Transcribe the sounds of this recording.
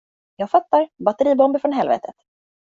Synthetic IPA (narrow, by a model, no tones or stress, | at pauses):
jɑːɡfat̪ːaɾbat̪əɾiːbɔmbɪfɾɔnɦɛlvḛːt̪ʰət̪